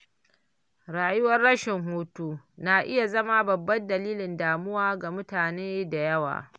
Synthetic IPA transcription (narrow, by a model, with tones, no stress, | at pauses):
ɾaː˨jʊ˦wɐ˦rɽɐ˦ʃɪ˨ŋɦoː˦tuː˦ | naː˨ʔɪ˦ja˨zɐ˦ma˦bɐ˨bːɐ˦ndɐ˨liː˦lɪ˨ndaː˨mʊ˦waː˦ɡa˨mʊ˦taː˨neː˦da˨jɐ˦wa̰ː˨